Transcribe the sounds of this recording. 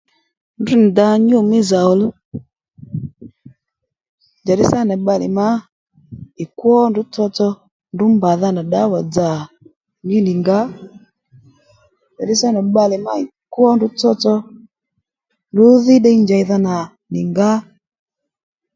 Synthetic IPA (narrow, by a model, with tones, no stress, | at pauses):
ndu˦n˨da˧ɲo˦˨mɪ˦za˨ɔ˨l | d͡ʒa˨ɗɪ˦sa˦na˨ɓa˧lɪ̰˨ma˦ | ɪ˨kwɔ˦ndʊ˨˦t͡sɔ˧t͡sɔ˧ | ndʊ˨˦mba˨ða˧na˨ɗa˨˦wa˨d͡za˨ | ɲi˦nɪ˨ŋɡa˦ | d͡ʒa˨ɗɪ˦sa˦na˨ɓa˧lɪ˨ma̰˦i˨kwɔ˦ndʊ˨˦t͡sɔ˧t͡sɔ˧ | ndʊ˨˦ðɪ˦ɗɛ˧i˦nd͡ʒa˨˧i˧ða˧na˨ | nɪ˨ŋɡa˦